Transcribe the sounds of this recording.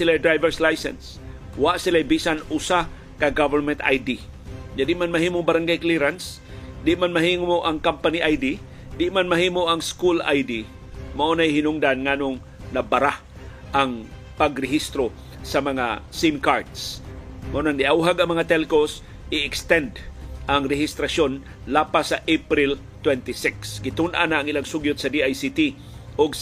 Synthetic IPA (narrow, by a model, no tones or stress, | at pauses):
sɪlajd̪ɾajvɛɹslajsɛ̰ns | waʔsɪlajbisanʊsa | kɐɡavɛɹmɛnt̪a̰jd̪i | ɲad̪ɪʔmanmɐɦiːmoŋbaɾaŋɡajkliɾans | d̪ɪʔmanmɐɦiŋmoʔɐŋkampaniʔajd̪i | d̪ɪʔmanmɐɦiːmoʔɐŋskula̰jd̪i | maʔonajɦɪnʊŋd̪anŋanoŋ | nɐbaɾah | ʔɐŋ | pɐɡɾɛɦist̪ɾo | sɐmɐŋasinkaɹt̪smaʔonaŋd̪ɪʔawɦaɡɐŋmɐŋat̪ɛlkos | ʔɪɛkst̪ɛnd̪ʔɐŋɾɛɦɪst̪ɾason | laːpasaʔepɾɪl | t̪wɛnt̪ɪsɪksɡɪt̪ʊnʔa̰naːŋɪlaŋsuɡjʊt̪̚sɐd̪iʔajsit̪i | ʔʊɡ